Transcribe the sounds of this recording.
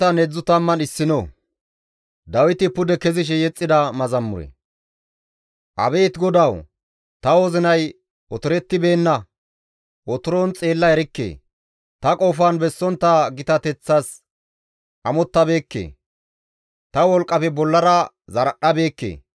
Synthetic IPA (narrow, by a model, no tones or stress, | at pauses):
ɐnɛd͡zːʊt̪ɐmːɐnɪsːɪno | d̪ɐwɪt̪ɪpʊd̪ɛkɛzɪʃ̬ɛjɛt͡sʼːɪd̪ɐmɐzɐmːʊɾɛ̰ | ʔɐ̰be̞ːt̪ɡɔd̪ɐw | t̪ɐozɪnɐj | ɔt̪ʊɾɛt̪ːɪbe̞ːnːɐ | ʔɔt̪ʊɾoːnt͡sʼe̞ːlːɐɛɾɪkːḛː | t̪ɐkʼoːfɐnbɛsːɔnt̪ːɐɡɪt̪ɐt̪ɛt͡sːɐs | ʔɐmɔt̪ːɐbe̞ːkːḛː | t̪ɐwɔlkʼːɐpɛbɔlːɐɾɐ | zɐɾɐɗːɐbe̞ːkːḛː